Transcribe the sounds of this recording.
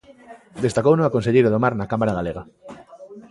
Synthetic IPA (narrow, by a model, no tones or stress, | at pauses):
d̪est̪akownõŋakons̬eʎejɾoðomaɾnakamaɾaɣ̞aleɣa